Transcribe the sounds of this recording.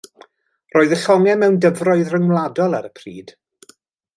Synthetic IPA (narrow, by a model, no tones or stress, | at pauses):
roːɨðəɬɔŋɛmɛwndəvrɔɨðrəŋwlˠadɔlˠaɾəpʰrḭːd̥